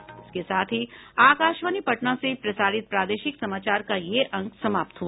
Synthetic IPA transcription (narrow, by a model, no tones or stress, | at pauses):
ɪskesaːt̪ʰiaːkaːʃʋaːnipɐʈnãsepɾɐsaːɾɪt̪̚pɾaːd̪eːʃɪksɐmaːt͡ʃaːɾkajeʔɐ̃ŋksɐmaːp̚t̪ɦua